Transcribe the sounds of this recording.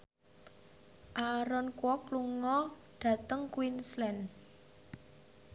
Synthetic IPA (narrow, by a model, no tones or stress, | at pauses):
ʔaɾɔnkwɔkluŋɔɖ̥ä̤t̪əŋkwinslɛn